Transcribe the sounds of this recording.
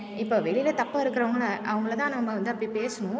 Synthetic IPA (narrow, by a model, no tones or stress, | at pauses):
ɪpːoːʋɛɭɪlɐt̪ɐpːaɪɾɯkːɯɾɐʋɐŋɡɐɭɐʔɐʋɐŋɡɐɭt̪ãːnɐmːɐʋɐnd̪ɯɐpːɐɽipeːsɐnʊ̃